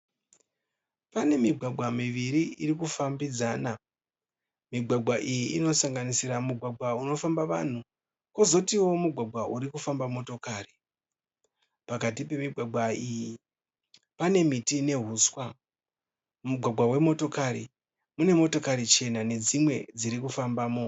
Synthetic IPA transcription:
pane̞miɡʱwaɡʱwamiʋiɾiirikufambid͡zaːna | miɡʱwaɡʱwaʔijiino̞saŋɡanisiɾamuɡʱwaɡʱwauno̞fambaʋa̰n̤u | ko̞zo̞tiwo̞muɡʱwaɡʱwauɾikufambamo̞to̞kaːri | pakat̬ipe̞miɡʱwaɡʱwaiji | pane̞mitine̞ɦuswa | muɡʱwaɡʱwawe̞mo̞to̞kaɾi | mune̞mo̞to̞kaɾit͡ʃe̞nane̞d͡zimwe̞d͡ziɾikufambaːmo̞

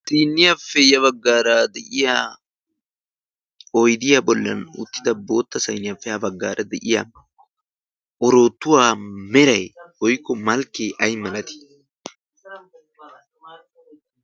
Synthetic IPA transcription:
t̪iːnːɪjafːɛjɐβɐɡːaːɾaːd̪ɛʔɪja | ɔjd̪ɪjabɔlːɐ̰nʊ̰t̪ːɪd̪ɐbo̞ːt̪ːɐsɐjnɪjafːɛhɐbɐɡːaːɾʔɐd̪ɛʔɪja̰ | ʔɔɾo̞ːt̪ːʊwaːmɛɾɐjhɔjkːɔmɐlkːeːʔɐjmɐlɐt̪ɪ̥

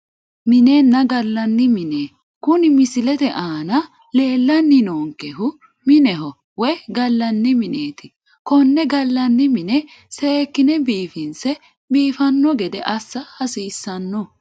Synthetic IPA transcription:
mɪneːnːɐɡɐlːɐnːɪmɪneː | kʊnɪmɪsɪlɛt̪ɛʔaːnɐ | le̞ːlːɐnːɪnoːŋkɛɦʊ | mɪnɛɦɔ | wɛjɡɐlːɐnːɪmɪneːt̪ɪ | kɔnːɛɡɐlːɐnːɪmɪnɛ | seːkːɪnɛbiːfɪnsɛ | biːfɐnːɔɡɛd̪ɛʔɐsːɐhɐsiːsːɐnːɔ

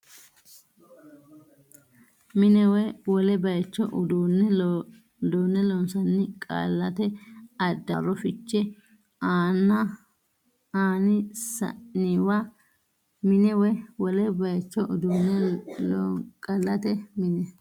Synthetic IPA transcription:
mɪnɛwɛwɔlɛbɐjt͡ʃːɔʔʊd̪unːɛ | d̪uːnːɛlɔnsɐnːɪkʼa̰lːɐt̪ɛɐd̪ːɐrːɔfɪt͡ʃːɛ | aːnɐ | aːnɪsɐ̰ɪwa | mɪnɛwɛwɔlɛbɐjt͡ʃːɔʔʊd̪unːɛ | kʼɐlːɐt̪ɛmɪnɛ

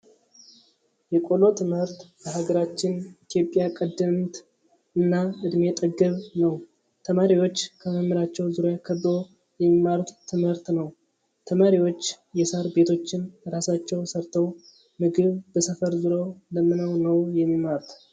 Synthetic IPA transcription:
jɛkʼo̞lo̞t̪ʰɨmhɨɾt̪bəɦaɡəɾat͡ʃːɪnit̪ʰijo̞pʼːjakʼəd̪ːɨmt̪ | ɨnːaɨd̪met̪ʼəɡɨβnəw | t̪ʰəmaɾiwo̞t͡ʃːkʰəməmːɨɾat͡ʃːɛwzuɾjakʰəb̪ɾo̞ | jɛmːimːaɾt̪t̪ʰːɨmhɨɾt̪nəw | t̪ʰəmaɾiwo̞t͡ʃː | jɛsaɾbe̞t̪ʰo̞t͡ʃːɪnɾasat͡ʃːɛwsəɾt̪ʰəw | mɨɡɨβb̥əsəfəɾzuɾo̞ləmɨnəwnəwjɛmːimaɾt̪ʰ

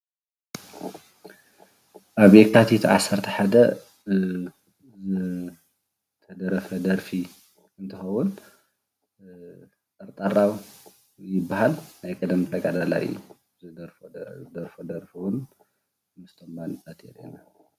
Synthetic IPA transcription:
ʔaβjekʰat̪ʰit̪ʰʕa̰sːɐɾt̪ʰɐħad̪ɐ | zɨ | t̪ʰɐd̪ɐɾɐfɐd̪ɐɾfi | ɨnt̪ʰɨxɐwːʊn | ɐɾt̪ʼaɾaw | jɪbːahalnajkʼɐd̪mt̪ʰɐɡad̪ala̰jṵ | ɨd̪ɾfd̪ɐɾfod̪ɐɾfiwʊn | mɨst̪ʰɐmbansʼat̪ʰḛɾḛna

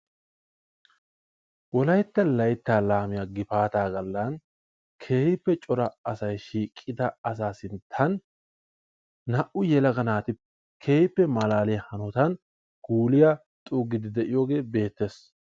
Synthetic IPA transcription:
wɔlɐjt̪ːɐlɐjt̪ːaːlaːmɪjaɡɪfaːt̪aːɡɐlːan | kʰe̞ːjɪpːɛt͡ʃʼɔɾɐɐsɐjʃiːkʼːɪd̪ɐɐs̬aːsɪnt̪ʰɐn | ɐʔʊjɛlɐɡɐnaːt̪ɪ | kʰe̞ːjɪpːɛmɐlaːlɪjɐhɐnɔt̪ɐn | ɡ̥uːlɪja | t̪ʼuːɡɪd̪ɪd̪ɛʔɪjoːɡe̞ːbe̞ːt̪ːe̞ːs

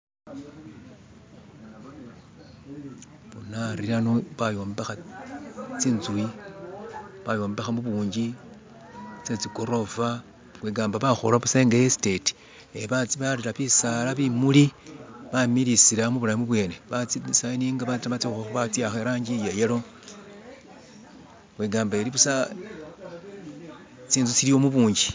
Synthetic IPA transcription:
βunaɾiɾanoβajo̞mbexa | t͡siːnzui | βajo̞ːmbexamuβuːɲɟi | t͡set͡siko̞ɾo̞va | kweːɡaːmbaβaxolaβuseŋɡajesi̥te̞ti̥ | eβat͡siβaɾiɾaβisalaβimuliβamiɾisiɾamuβulamiβwe̞ːneβat͡sisainiːŋɡaβatβat͡sixaxuβat͡siaxeɾaːɲɟijajelo̞ | xweːɡaːmbaeɾiβusa | t͡siːnzut͡silijo̞muβuːɲɟi

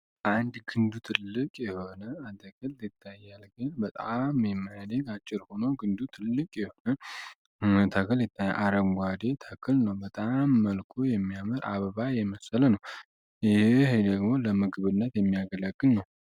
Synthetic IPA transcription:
ʔand̪ɡɨnd̪ut̪ʰɨlːɨkʼjɛho̞nəat̪ʰəkʰɨlɪt̪ʰːajːalɡɨnbət̪ʼamjɛmːəjad̪eɡat͡ʃʼːɪɾho̞nəwɡɨnd̪ut̪ʰɨlːɨkʼjɛho̞nə | t̪ʰəkɨljɪt̪ʰːajːa̰ʔaɾəŋɡʷad̪e̞t̪ʰəkʰɨlnəwbət̪ʼamːəlkʰojɛmːijamɨɾa̰βəβajɛməsələnəw | jɪhhd̪əɡmo̞ləmɨɡβɨnːət̪jɛmːijaɡələɡːɨlnəw

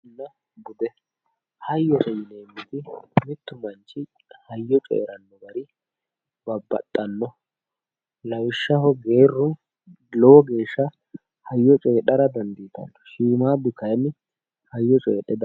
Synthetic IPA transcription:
nːɐ | bʊd̪ɛ | hɐjːɔt̪ɛjɪneːmːɪt̪ɪmɪt̪ːʊmɐnt͡ʃːɪ | hɐjːɔt͡ʃʼɛ̰ʔɛ̰ɾɐnːɔɡɐɾɪ | bɐbːɐ̰t̪ʼːɐnːɔ | lɐwɪʃːɐhɔɡe̞ːrːʊn | lɔwɔɡe̞ːʃːɐ | hɐjːɔt͡ʃʼeːɗɐɾɐd̪ɐnd̪iːt̪ɐ̰nːɔ̥ʃiːmaːbʊkɐjmɪ | hɐjːɔt͡ʃʼɛ̰ːɗɛd̪ɐ

